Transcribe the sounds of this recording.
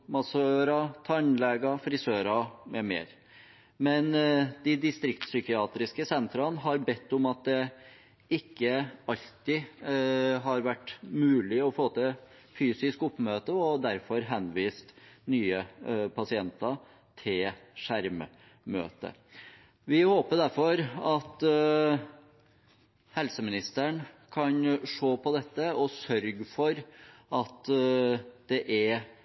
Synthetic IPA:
mɑsøːɾɑt̪ʰɑnlɛɡɑfɾɪsøːɾɑmɛmḛːɾ | mɛnd̪̥ɪd̪ɪst̪ɾɪkt̪sʏkɪɑːt̪ɾɪskəsɛnt̪ɾɑnɦɑɾbɛt̪ːʊmɑt̪̚d̪ɛ | ɪkːəɑʎt̪ɪ | ɦɑɾʋæʈːmʉːlɪɔfoːt̪ɛ | fyːsɪskʊpːmøːt̪əɔd̪æɾfɔɾɦɛnʋiːst̪nyːəpʰɑsɪɛnt̪ɑ | t̪ʰɪlʂæɾmə | mø̰ːt̪ə̰ | ʋɪhoːpəɖ̪æɾfɔɾɑt̪ | hɛlsəmɪnɪst̪əɳkʰɑnʂoːpʰɔd̪ɛt̪ːəɔsœɾɡfɔɾʔɑt̪ | d̪̥ɛʔæɾ

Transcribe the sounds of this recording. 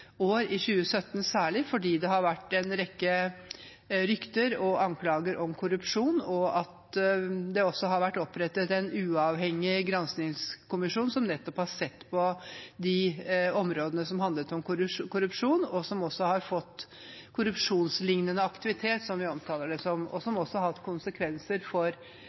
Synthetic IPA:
oːɾɪɕʉːəsœt̪ːnsæːɭɪfɔɖiːd̪ɛɦɑɾʋæʈːɛnɾɛkːə | ɾʏkt̪əɾɔʔɑnkʰlɑːɡəɾʔɔmkʰʊɾʉpʂuːnɔɑt̪ | d̪ɛɔsːɔɦɑɾʋæʈːɔpːɾɛt̪ːət̪ɛnʉːɑːʋɦɛŋːɪɡɾɑnsnɪŋskʊmɪʂuːnsɔmnɛt̪ːɔphɑɾʂɛt̪ːpʰɔd̪ɪɔmɾoːd̪ənəsɔmɦɑnd̪lət̪ɔmɾkʊɾʉpʂuːnɔsɔmɔsːɔhɑɾfɔt̪ː | kʰʊɾʉpʂuːnslɪŋnənəɑkt̪ɪʋɪt̪ʰeːt̪sɔmʋɪɔmt̪ʰɑːləɖɛsɔmɔ̰sɔmɔsːɔhɑt̪ːkʰʊnsəkʰʋɛnsəɾfɔɾ

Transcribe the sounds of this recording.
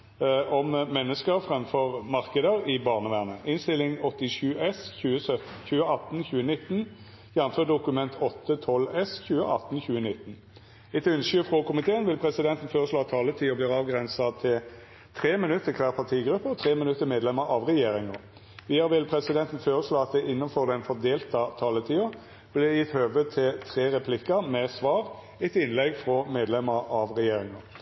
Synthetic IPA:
ʔɔmmɛnːəskəʁfʁɛmfɔʁmɑʁkəd̪əɾɪbɑːʁnəʋæːʁnəʔɪnst̪ɪlːɪŋɔt̪ːɪʂʉːɛsçʉːəsœt̪çʉːəɑt̪ːn̩çʉːənɪt̪ːn | jænnføːd̪ʊkʉmɛnt̪ʰɔt̪ːət̪ʰɔlɛsçʉːəʔɑt̪ːnçʉːənɪt̪ːn̩ | ɪt̪ʰʉnʃyːfʁɔkʰʊmɪt̪ʰeːənʋɪlpʰʁɛsɪd̪ɛnt̪n̩føːʁəsloːɑt̪ʰːɑːlət̪ʰiːɔbliːʁɑːʋɡʁɛnsɑt̪ʰɪl | t̪ʰʁeːmɪnʉt̪ːəkʰʋæːʁpʰɑʁt̪ʰiːɡɾʉpːəɔt̪ʰʁeːmɪnʉt̪ːəmeːd̪lɛməɾʔɑʋʁɛjeːɾɪŋə | ʋiːɑʁʋɪlpʰʁɛsɪd̪ɛnt̪ən̩føːɾəsloːɑt̪̚d̪ɛʔɪnːənfɔʁd̪ɛnfɔʁd̪eːlt̪ɑt̪ʰɑːlət̪ʰiːʊ | b̥lɪjɪt̪høːʋət̪ʰɪlt̪ʰʁeːʁɛpʰlɪkːəmɛsʋɑːʁ | ɛt̪ɪnlɛɡfʁɔmeːd̪lɛməɾɑʋʁɛjeːɾɪŋə

